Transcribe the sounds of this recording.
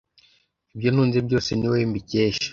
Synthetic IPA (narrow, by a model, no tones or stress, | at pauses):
ibjon̥huːnzebɟo̞ːseniwembiceːʃḁ